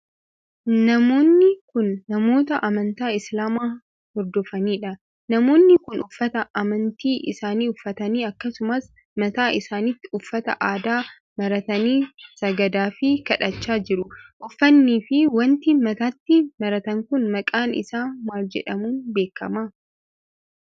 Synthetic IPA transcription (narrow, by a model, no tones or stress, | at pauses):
nɐmo̞ːnːɪkʊnːɐmo̞ːt̪ɐʔɐmɐnt̪aːɪslaːmaː | hɔɾd̪ɔfɐniːᶑɐ | nɐmo̞ːnːɪkʊnʊfːɐt̪ɐʔɐmɐnt̪iːʔɪ̰saːniːʊfːɐt̪ɐniːɐkːɐsʊmɐs | mɐt̪aːʔɪsaːnɪt̪ːɪʊfːɐt̪ɐ̰ʔaːd̪aː | mɐɾɐt̪ɐniːsɐɡɐd̪aːfɪkɐᶑɐt͡ʃːaːd͡ʒɪɾʊʔʊfːɐnːiːfɪwɐnt̪ɪmɐt̪aːt̪ːɪmɐɾɐt̪ɐŋkʊnmɐkʼaːnɪ̰saːwaːld͡ʒɛ̰ᶑɐmuːnbe̞ːkːɐ̰mɐ